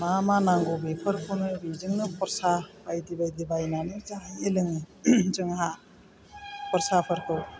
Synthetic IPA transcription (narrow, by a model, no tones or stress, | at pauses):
mamanaŋɡobepʰɯɾkʰɔwnɯjbizɯŋnɯpʰɔɾsab̥ajdibajdibajnanɯzaŋajelɯŋzɯŋɦa | pʰɔɾsapʰɯɾkʰɯw